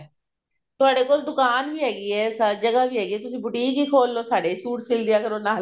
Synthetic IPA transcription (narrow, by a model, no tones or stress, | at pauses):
t̪ʊaːɽeːkoːld̪ʊkaːnbiːɦɛːɡiɛːsad͡ʒəɡabʱiːɦɛːɡiɛːt̪ʊsĩːbʊʈiːkiːkʰoːlːoːsaːɖesuːʈsɪld̪ɪjaːkəɾoːnaːɦl